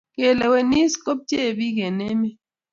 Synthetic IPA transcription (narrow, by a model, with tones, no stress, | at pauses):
ke˨le˨we˨ni˦sko˦p̚t͡ʃe˦˨bi˦ɡe˨ne˦me˦